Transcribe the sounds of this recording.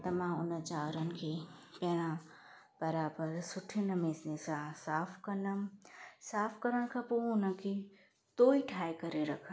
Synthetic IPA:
t̪ɐmãːʊnət͡ʃaːɾənɪ̆kʰepɛɽ̃ã | b̥ɐɾaːbəɾsʊʈʰinɐmeːsnesasaːpʰkɐnəmsaːpʰkɐɾənkʰapoʊnəki | t̪oːiʈʰaːekɐɾeɾɐkʰə

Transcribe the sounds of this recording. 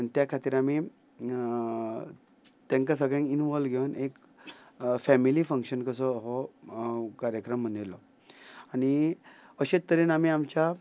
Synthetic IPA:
anit̪jakʰat̪iːɾami | t̪ẽŋkasəɡɭãŋinʋɔlɡʱewnek | fɛmilifəŋkɕənkəsɔɦɔ | kaɾjəkɾəmːənd̪d̪jelɔ | aɽ̃iəɕet̪t̪ːəɾiːnam̤iːamt͡ɕa

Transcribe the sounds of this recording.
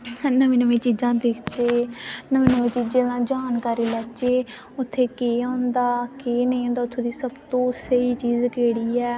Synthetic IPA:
nəʋĩːnəʋẽːt͡ʃiːd͡ʒãːd̪ɪkʰt͡ʃeːnəʋĩːnəʋẽːt͡ʃiːd͡ʒẽːd̪ãːd͡ʒaːnkaːɾiːlɛːt͡ʃeː | ʊt̪ʰːeːkeːãːnd̪aːkenə̃ĩːõːnd̪aːʊt̪ʰːõːd̪iːsəbt̪õːsəiːt͡ʃiːzkeːɽiːɛː

